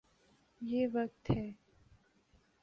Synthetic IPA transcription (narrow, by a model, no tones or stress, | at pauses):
jeːʋək̚t̪hɛː